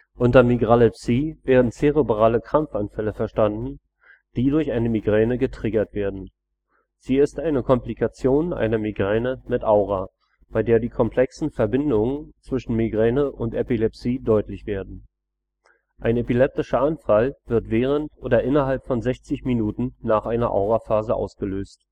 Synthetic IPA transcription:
ʔʊntɐmiɡʁalɛpsiːveːɐdn̩t͡seʁebʁaːləkʁ̥amfʔanfɛləfɛɐʃtandn̩ | d̥iːdʊɐçaɪnəmiɡʁɛːnəɡətʁ̥ɪɡɐtv̥eːɐdn̩ | z̥iːɪstʔaɪnəkʰɔmplikʰat͡sjoːnʔa̰ɪnɐmiɡʁɛːnəmɪtʔaʊʁaː | b̥aɪdeːɐdiːkʰɔmpʰl̥ɛksn̩fɛɐbɪndʊŋənt͡sv̥ɪʃn̩miɡʁɛːnəʔʊntʔepilɛpsiːdɔʏtlɪçv̥eːɐdn̩ | ʔaɪnepilɛp̚tɪʃɐʔanfalv̥ɪɐtv̥eːʁ̞əntʔoːdɐʔɪnɐɦalpfɔnzɛçt͡sɪçminuːtn̩ːaːχʔaɪnɐʔa̰ʊʁafaːzəʔa̰ʊsɡ̥əløːst

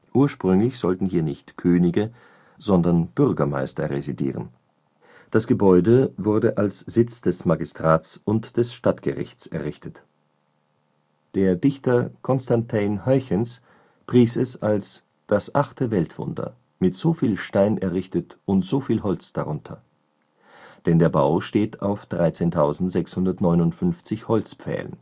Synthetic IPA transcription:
ʔuːɐʃpʁ̥ʏŋlɪçz̥ɔltn̩hiːɐnɪçtkʰøːnɪɡə | z̥ɔndɐnb̥ʏʁɡɐma̰ɪstɐʁḛzidḭːʁə̰n | d̥asɡ̥əbɔʏdəvʊɐdəʔalsz̥ɪt͡sd̥ɛsmaɡɪstʁ̥aːtt͡sʊntd̥ɛsʃtatɡ̥ə̰ʁɪ̰çt͡sɛɐʁɪçtʰət | d̥eːɐdɪçtɐkʰɔnstantʰaɪnhœʏçəns | pʁ̥iːsɛsals | d̥asʔaχtʰəvɛltv̥ʊ̰ndɐ̰ | mɪtz̥oːfiːlʃtaɪnɛɐʁɪçtətʊntz̥oːfiːlɦɔlt͡sd̥a̰ʁʊntʰɐ̰ | d̥ɛndeːɐba̰ʊʃteːtʰaʊfd̥ʁaɪt͡seːntʰaʊzn̩tz̥ɛkshʊndɐtnɔʏnʊntfʏnft͡sɪçhɔlt͡spp͡fɛ̰ːlə̰n

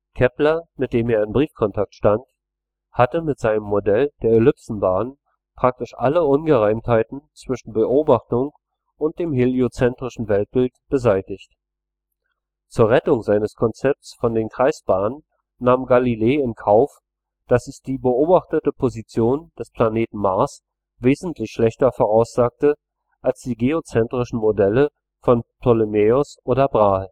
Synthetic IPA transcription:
kʰɛplɐmɪt̚d̥eːmeːɐɪnbʁiːfkʰɔntʰak̚tʃtant | hatəmɪtz̥aɪnəmːodɛld̥eːɐelʏpsn̩baːn | pʁ̥ak̚tɪʃʔa̰ləʔʊnɡəʁaɪmthaɪtn̩t͡sv̥ɪʃn̩bəʔoːbaχtʊŋ | ʔʊnt̚d̥eːmheliot͡sɛntʁ̥ɪʃn̩vɛlt̚b̥ɪltb̥əzaɪtɪçt | t͡suːɐʁɛtʊŋzaɪnəskʰɔnt͡sɛp̚t͡sfɔndeːnkʁ̥aɪsb̥aːnənː | aːmɡalileːɪnkʰaʊf | d̥asɪsd̥iːbəʔoːbaχtətəpʰozit͡sjoːnd̥ɛspʰl̥aneːtn̩maɐs | veːzn̩tʰlɪçʃlɛçtɐfoːʁ̞aʊsz̥aːk̚tə | ʔalsd̥iːɡeot͡sɛntʁ̥ɪʃn̩modɛlə | fɔnpʰɔlimeːʊsʔoːdɐbʁaːl

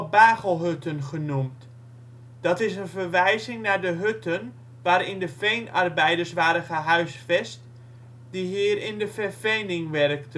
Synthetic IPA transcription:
baːɣəlˠɦøtənχənumt | d̥ɑtɪsənvərʋɛjzɪŋnaːɹdəɦøtən | ʋaːɾɪndəfejnɑ̰rbɛjdəɹsʋaːɾəχəɦœɥsfɛst | diɦiːərɪndəfɛrfejnɪŋʋɛrk̚tə

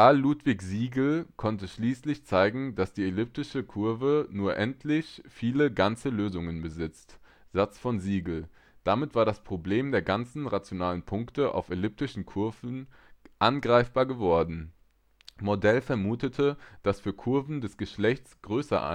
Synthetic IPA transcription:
alːuːtv̥ɪçz̥iːɡl̩kʰɔntəʃliːslɪçt͡saɪɡŋ̩d̥asd̥iːelʏp̚tɪʃəkʰʊɐvənuːɐʔɛntʰlɪçfiːləɡant͡səløːzʊŋənbəzɪt͡st | z̥at͡sfɔnziːɡl̩ | d̥amɪtv̥aːɐɾaspʁ̥obleːmdeːɐɡant͡sn̩ʁat͡sjonaːlənpʰʊŋktəʔa̰ʊfelʏp̚tɪʃn̩kʰʊɐvn̩ | ʔanɡʁaɪfb̥aːɐɡəvɔɐdn̩ | modɛlfɛɐmuːtətʰəd̥asfyːɐkʰʊɐvn̩dɛsɡ̥əʃlɛçt͡sɡ̥ʁøːsɐ̰ʔa̰

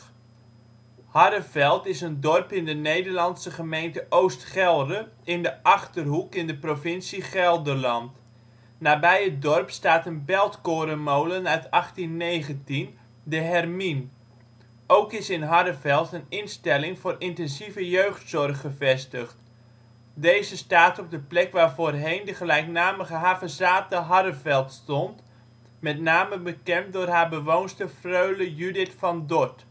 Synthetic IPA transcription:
hɑdəfɛlˠtɪsəndɔrpɪndənejdərlɑnsəχəmejntəʔowstχɛlˠdəɪndəʔɑχtərɦukɪndəprofɪnsiχɛlˠdəlɑnt | naːbɛjət̚dɔrpstaːtənbɛlˠtkoːɾəmowlənœɥtɑχtinːeːɣəntin | dəɦɛrmin | owkɪsɪnɦɑɾəvɛlˠtənɪnstɛlɪŋvʊːrɪntɛnzivəjøɥχtsɔrχːəvɛstəχt | dejzəstaːtɔb̚dəplɛkʋaːrvoːrɦejndəχəlɛjknaːməχəɦaːvəzaːtəɦɑɾəvɛlˠtstɔnt | mɛtnaːməbəkɛmdʊːrɦaːbəʋownstəfrøɥləjydɪtfɑndɔt

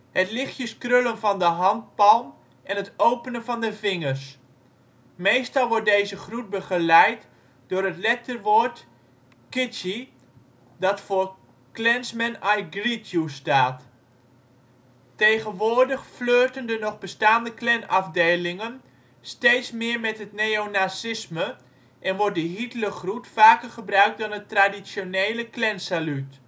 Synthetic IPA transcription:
hətlɪχjəskrølənvɑndəɦɑnt̚pɑlˠm | ʔɛnɦətowpənənvɑndəvɪŋəɹs | mejstɑlˠʋɔɹt̚dejzəχrut̚bəχəlɛjt | dʊːɾətlɛk̚tərʋoːɹt | kɪti | dɑtfʊːɹ | klɛnsmɛnɛjɡritʰjustaːt | tejɣənʋʊːrdəχfløːtəndənɔχbəstaːndəklɛnɑfdeːlɪŋən | steːtsmɪːɹmɛtɦətnejonasɪsmə | ʔɛnʋɔrt̚dəɦitələχrutfaːkərχəbrœɥk̚dɔnətradisjoneːləklɛnsalyt

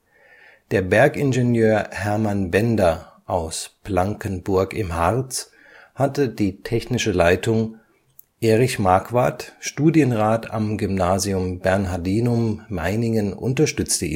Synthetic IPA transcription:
d̥eːɐbɛɐkɪnʒenjøːɐhɛɐmanbɛndɐʔaʊsb̥laŋkənbʊɐkɪmhaʁt͡s | hatədiːtʰɛçnɪʃəlaɪtʰʊŋ | ʔeːʁɪçmaɐkv̥aɐtʃtuːdjənʁaːtʰa̰mɡʏmnaːziʊmbɛɐnɦaɐdiːnʊmːa̰ɪnɪŋənʔʊ̰ntɐʃtʏt͡stəʔḭː

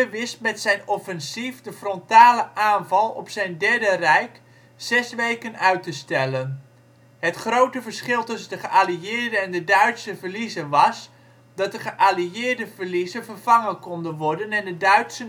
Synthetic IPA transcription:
əʋɪst̚mɛtsɛjnɔfɛnsifdəfrɔntaːləʔaːnvɑlˠɔ̰psɛjndɛɹdərɛjk | sɛsʋejkənœɥtəstɛlən | ɦətχrowtəvəɹsχɪlˠtʏsəndəχəʔaliɪːɹdəɛndədœɥtsəvəɹlizənʋɑs | dɑt̚dəχəʔaliɪːɹdəvəɹlizəvərv̥ɑŋənkɔndənʋɔɹdənɛndədœɥtsən

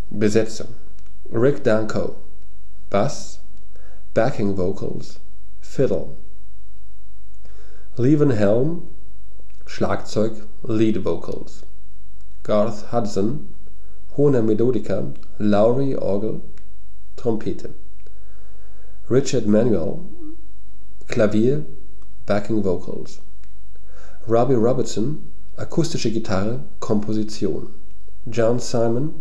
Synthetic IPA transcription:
b̥əzɛt͡sʊ̰ŋ | ʁɪkd̥ãŋkʰoʊ | b̥as | b̥ækʰɪŋvoʊkʰə̰l̩s | fɪdl̩ | liːvə̃nɦɛlm | ʃla̰ːkt͡sɔʏk | liːdvoʊkʰə̰l̩s | ɡ̥aθhadsə̃n | hoːnəmetoːdɪkʰɐ | laʊʁiʔɔ̰ːɡl̩ | tʁ̥ɔmpʰeːtʰə | ʁɪt͡ʃɐtmɛnjuɛ̰l | kʰl̥aviːɐ | b̥ɛkɪŋvoʊkʰə̰ls | ʁɔbiʁɔbɛsɔn | ʔakʰʊstɪʃəɡitʰaʁə | kʰɔmpʰozit͡sjo̰ːn | d͡ʒɔnsaɪmən

